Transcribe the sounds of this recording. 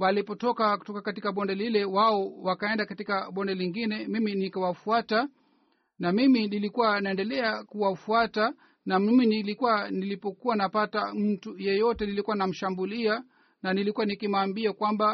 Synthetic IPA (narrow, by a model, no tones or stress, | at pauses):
walipɔtɔkaku̥tɔkakatikaɓɔndɛlilɛwaɔwakaɛndakatikaɓɔndɛliŋɡinɛmiminikawafuata | namiminilikuwanaɛndɛlɛakuwafuata | namminilikuwanilipɔkuwanapatam̩tujɛjɔtɛnilikuwanam̩ʃambulia | nanilikuwanikimaːmbiakwamba